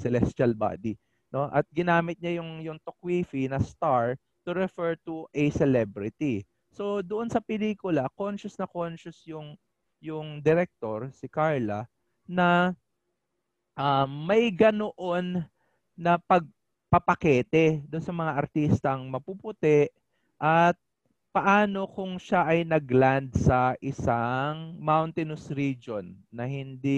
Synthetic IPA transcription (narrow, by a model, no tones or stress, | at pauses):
sɛlɛst̪ɐlba̰ːd̪i | no̞ʔɐt̪̚ɡɪnaːmɪt̪̚ɲajʊŋjʊŋt̪ok̚wifinɐst̪aɹ | t̪ʊɾɛfɛɹt̪uʔɛjsɛlɛbɾɪt̪i | so̞d̪ʊʔonsɐpɛliːkʊlɐkonʃʊsnɐkonʃʊsjʊŋ | jʊŋd̪ɛɾɛk̚t̪oɹsɪkaɹlɐ | nɐ | ʔɐmːɐjɡɐnoʔo̞nː | ɐpɐɡ̚ | pɐpɐkɛːt̪ɛd̪onsɐmɐŋaʔɐɾt̪ist̪ɐŋmɐpupʊt̪ɛʔ | ʔɐt̪̚ | pɐʔaːno̞kʊŋʃaʔɐjnɐɡland̪sɐʔɪsaŋmawnt̪ɪnʊsɾid͡ʒonːɐhɪnd̪i